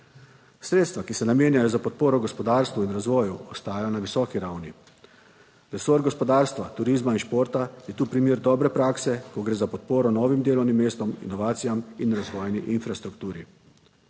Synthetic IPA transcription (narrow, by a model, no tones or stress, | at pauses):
sɾeːt̪st̪ʋakisɛnameːnjajɔzapɔt̪̚poːɾɔɡɔspɔd̪aːɾst̪ʋuinɾazʋɔːjuɔst̪aːjajɔnaʋisɔːkiɾawni | ɾɛsoɾɡɔspɔd̪aːɾst̪ʋat̪uɾiːzmainʃpoːɾt̪ajɛt̪uːpɾimeːɾd̪ɔːbɾɛpɾaːksɛkɔɡɾeːzapɔt̪̚poːɾɔnɔːʋimd̪eːlɔwnimːeːst̪ɔmḭnɔʋaːt̪sijaminɾazʋɔːjniʔinfɾast̪ɾukt̪uːɾḭ